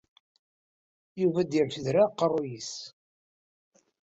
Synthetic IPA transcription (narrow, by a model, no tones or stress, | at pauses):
juvæd̪iɾfəðɾaqːərˤːujis